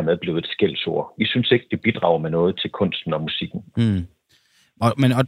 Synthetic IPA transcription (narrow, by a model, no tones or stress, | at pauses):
ɐmeð̞ˠb̥le̝ʊe̝d̥sɡ̥el̰so̝̰ɐ̰ʋisynse̝ɡ̥̚d̥e̝b̥id̥ʁɑ̈ʊɐmenɔ̽ːð̞̩ˠt͡sʰe̝lkʰɔ̽n̰sd̥n̩ɒ̽musiɡ̥n̩ | ɒ̽menɒ̽